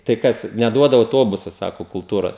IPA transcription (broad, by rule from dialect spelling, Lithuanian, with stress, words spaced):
tɐɪ ˈkɐs nʲɛˈduɔdɐ ɐʊˈtoːbʊsɐ ˈsɑːkoː kʊlˠˈtuːrɐ